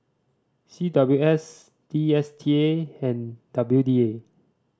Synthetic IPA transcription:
sidabljuɛs | d̥iɛstʰieɛ̃nd̥abludie

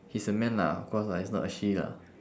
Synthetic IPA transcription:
hisəmɛ̃nla̰kɔslaisnɔ̰ʔəʃila̰

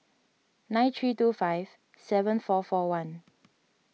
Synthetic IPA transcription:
nãɪ̃nt̪ʰɹiːtufaɪv̥ | sɛvə̃nfɔfɔwãn

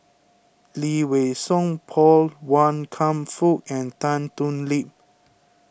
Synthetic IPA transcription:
liwesɔ̃ŋpʰɔlwãnkʰãmfuk̚ɛ̃ntãntũnlip̚

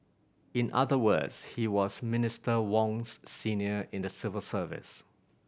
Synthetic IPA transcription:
ɪ̃nʔa̰ðəwə̰dshiwɔsmɪnɪstəwɔ̃ŋsːĩniəɪ̃ndəsɪvəlsəvɪ̰s

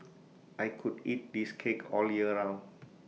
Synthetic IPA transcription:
ʔajkʰudit̚diskʰekʰɔljiənãwn

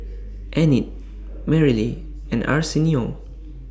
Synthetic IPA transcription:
ʔɛnit̚ | mɛɹili | ɛ̰̃na̰ɹsinio

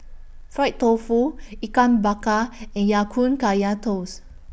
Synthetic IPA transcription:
fɹajt̚t̪ofuikãmbakaɛ̃njakʰũnkajat̪os

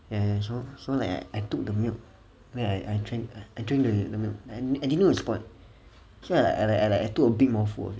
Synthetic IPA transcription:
jajas̬osolaɪka̰ɪʔajtuk̚dəmilt | wɛ̃ajʔajdɹẽŋaajdɹĩŋdədəmilʔaaajdidnːoispɔ̃ɪ̃n | soala̰alaalakajtukəbit̚mɔfṵɔ̰fi

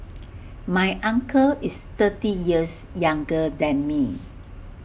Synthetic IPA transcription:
majʔãŋkʰəist̪ətijiəsjãŋɡədɛ̃nmi

